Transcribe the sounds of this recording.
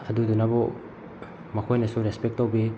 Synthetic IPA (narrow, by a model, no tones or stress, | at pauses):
ɐdudunabɔ | mɐkʰojnɐsuɾespek̚towbi